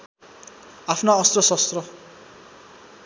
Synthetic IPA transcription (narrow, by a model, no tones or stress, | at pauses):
apʰnaʌst̪rʌsʌst̪rʌ